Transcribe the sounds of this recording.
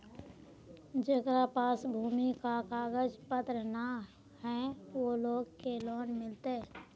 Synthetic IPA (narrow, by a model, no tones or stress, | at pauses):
d͡ʒekɾapaːsbʱuːmikakaːɡəd͡ʒpət̪ɾəna | ɦɛ̃ʋoloːɡkelɔːnmɪlt̪e